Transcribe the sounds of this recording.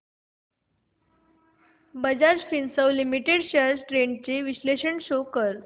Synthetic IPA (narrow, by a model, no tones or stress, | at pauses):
bəd͡ʑaɾd͡ʑfinsəwlimiʈeɽɕəɾsʈɾeɳɖt͡ɕeʋiɕleɕəɳɕokəɾ